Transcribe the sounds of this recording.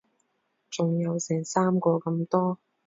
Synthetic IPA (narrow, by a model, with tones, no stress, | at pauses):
t͡sʊ˨˩ŋjɐ˨˧wsɛː˨˩ŋsaː˥mkɔː˧kɐ˧mt̪ɔː˥